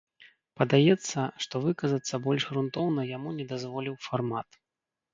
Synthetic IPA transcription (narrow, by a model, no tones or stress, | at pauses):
pɐd̪ajɛt̪sːɐʂt̪ɔvɨkɐzɐt̪sːɐbɔlʲʂɣɾunt̪ɔwnɐjamunʲɛd̪azvɔlʲiwfarmat̪